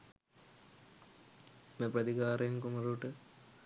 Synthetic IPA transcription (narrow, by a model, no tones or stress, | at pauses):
meprɐd̪iɡaːɾejnkumɐɾuʈɨ